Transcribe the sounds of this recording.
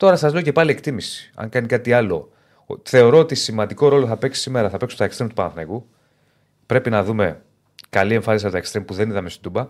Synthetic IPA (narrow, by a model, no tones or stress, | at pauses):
t̪o̞ɾɐsɐzle̞oce̞pɐlie̞kt̪imisi̥ɐ̰ŋkɐnikɐt̪iɐlo̞ | θe̞o̞ɾo̞ot̪isimɐnd̪iko̞ɾo̞loθɐpe̞ksi̥simeɾɐθɐpe̞ksumt̪ɐekst̪ɾemt̪upɐnɐθneɣu | pɾe̞pinɐðume̞ | kɐlie̞ɱfɐnisiɐpot̪ɐekst̪ɾempuðe̞niðɐme̞st̪o̥d̪ubɐ